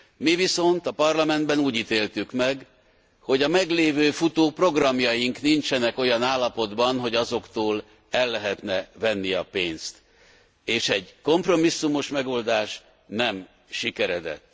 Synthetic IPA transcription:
miviso̞nt̪ɒpɒrlɒmɛnd̪̚bɛnuːɟit̪eːlt̪ykmɛɡ | ho̞ɟɒmɛɡleːvøːfut̪oːpro̞ɡrɒmjɒjiŋknint͡ʃɛnɛko̞jɒnaːlːɒpo̞d̪bɒnɦo̞ɟɒzo̞kt̪oːl | ɛlːɛɦɛt̪nɛvɛnːiɒpeːnst̪ | eːʃɛɟko̞mpro̞misːumo̞ʃmɛɡo̞ld̪aːʃ | nɛm | ʃikɛɾɛd̪ɛ̰t̪ː

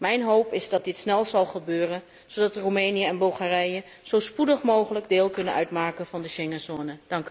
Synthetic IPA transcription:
mɛjnɦowpɪzdɑd̚dɪtsnɛlˠzɑlˠχəbøːrən | sodɑtromejnijəɛnbɵlˠχaːrɛjə | z̥owspudəχmowχələɡdɪːlˠkɵnənœɥtmaːkənvɑndəʃɛŋənsoːnəd̥ɑŋk

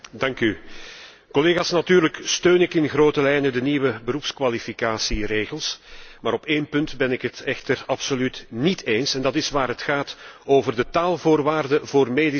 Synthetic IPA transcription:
dɑŋky | kɔleːɣaːsnatyːɾləkstøːnɪkɪnɣroːtəlɛjnədəniʋəbəɾupskʋalifikaːsireːɣəlˠsmaːɾɔpeːnpɵntbɛnɪkɦətɛxtərɑpsolytnitʰeːnsɛndɑtɪsʋaːɾɦətxaːtoːvərdətaːlˠvʊːrʋaːrdəvoːrmeːdi

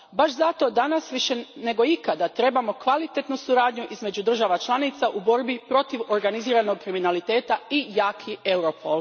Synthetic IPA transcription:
baʃzat̪o̞d̪anasʋiʃe̞ne̞ɡo̞ikad̪at̪ɾe̞bamo̞kʋalit̪et̪nusuɾaːd̪ɲuʔizme̞d͡ʒud̪ɾr̩ʒaʋat͡ʃlˠanit̪saʔubo̞ɾbipɾo̞t̪iʋo̞ɾɡaniziːɾano̞ɡ̚kɾiminalit̪e̞ːt̪aijaːkʰie̞wɾopʰolˠ

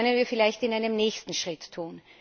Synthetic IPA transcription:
nənviːɐfɪlaɪçtɪnʔaɪnəmnɛːçstn̩ʃʁ̥ɪtːʰuːn

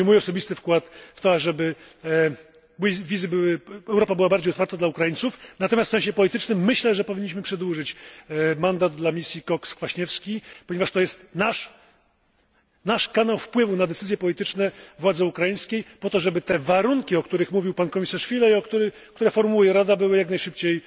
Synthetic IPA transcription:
mujɔsɔbʲist̪ɘfkwat̪ft̪ɔaʐɛbɘ | bvʲizɘbɘwɘɛwɾɔpabɘwabaɾd͡ʑejɔt̪faɾt̪ad̪laukɾajintsufnat̪ɔmʲjast̪sɛ̃ɕɛpɔlʲit̪ɘt͡ʂnɘmːɘɕlɛʐɛpɔvʲiɲːiɕmɘpʂɛd̪wuʐɘt͡ɕmand̪ad̪̚d̪lamʲisʲjikɔkskfaɕɲɛfskʲipɔɲɛvaʂt̪ɔjɛst̪naʂ | naʂkanawfpwɘvunad̪ɛt̪sɘzjɛpɔlʲit̪ɘt͡ʂnɛvwad̪zɛukɾajĩj̃skʲejpɔt̪ɔʐɛbɘt̪ɛvaɾuŋkʲiɔkt̪uɾɘxmuvʲiwpankɔmʲisaʂfʲilɛjɔkt̪uɾɘ | k̚t̪uɾɛfɔɾmujɛɾad̪abɘwɘjaknajʂɘp̚t͡ɕej

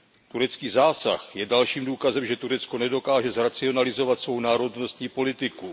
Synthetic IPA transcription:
t̪uɾɛt͡skiːzaːsa̰xjɛdalʃiːmduːkazɛmʒɛt̪uɾɛt͡sko̞nɛdo̞kaːʒɛzɾat͡sɪo̞nalɪzo̞vat̪svo̞wnaːɾo̞dno̞st̪ɲiːpo̞lɪt̪ɪku

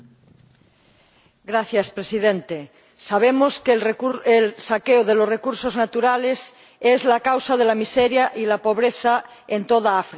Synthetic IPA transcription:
ɡɾaθjaspɾesiðẽnt̪e | saβ̞emoskeelsakeoð̞elosrekuɾsoznat̪uɾales | ezlakawsað̞elamiseɾjaʔilapo̞β̞ɾeθaent̪oðaafɾ

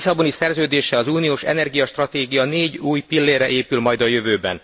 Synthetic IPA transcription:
sɒbo̞nisɛrzøːd̪eːʃɛlɒzuːnijoːʃɛ̰nɛrɡijɒʃt̪rɒt̪eːɡijɒneːɟuːjpilːeːrːɛʔeːpylmɒjd̪ɒjø̞vøːbɛ̰n

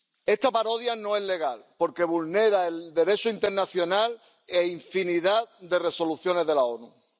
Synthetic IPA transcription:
e̞st̪apaɾo̞ðjanoe̞ɦle̞ɣ̞alpo̞ɾke̞βulne̞ɾaeld̪e̞ɾe̞t͡ʃoint̪e̞ɾnaθjo̞nal | eiɱfiniðad̪e̞re̞so̞luθjo̞ne̞ɦðe̞lao̞nu

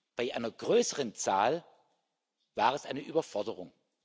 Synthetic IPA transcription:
b̥aɪʔaɪnɐɡʁøːsəʁənt͡saːl | v̥aːʁɛsʔaɪnəʔyːbɐfɔɐdəʁʊŋ

